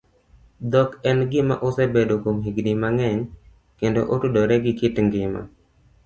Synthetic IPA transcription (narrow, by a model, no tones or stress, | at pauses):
d̪ɔkɛnɡɪma̰ʔosɛbedokomɦiɡdimaŋɛɲ | kendo̰ʔotudɔɾɛɡɪkɪtŋɡɪma̰